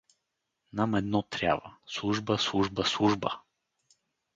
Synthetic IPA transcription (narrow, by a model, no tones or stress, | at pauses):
namɛd̪nɔt̪ɾʲa̰və̰slˠuʒbəslˠuʒbəslˠuʒbə